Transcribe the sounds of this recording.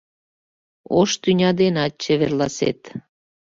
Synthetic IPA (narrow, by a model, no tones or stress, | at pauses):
oʃt̪ynʲɑd̪enɑt̪̚t͡ɕəβerlɑsḛt̪